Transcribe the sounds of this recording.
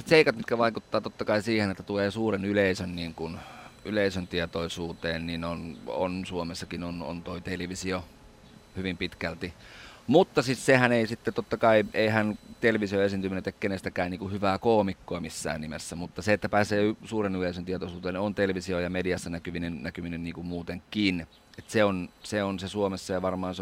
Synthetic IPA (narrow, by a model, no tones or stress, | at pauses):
st̪seikɑt̪mit̪kæʋɑikut̪ːɑːt̪ot̪ːɑkɑisiːhenet̪ːæt̪uleːsuːrenyleisønniːŋkunyleisønt̪iet̪oisuːt̪eːnninono̰nsuomesːɑkinono̰nt̪oit̪eleʋisio | hyʋimpit̪kælt̪imut̪ːɑsissehæneisit̪ːet̪ot̪ːɑkɑiʔeihænt̪elʋisioesint̪yminet̪ekkenest̪ækæːnniːŋkuhyʋæːkoːmikːoɑmisːæ̰ːnnimḛsːæmut̪ːɑseet̪ːæpæːseːysuːrenyleisønt̪iet̪oisuːt̪eːnont̪elʋisiojɑmediɑsːɑnækyminennækyminynniːŋkummuːt̪eŋkin | et̪seonseonsesuomesːɑjɑʋɑrmɑːns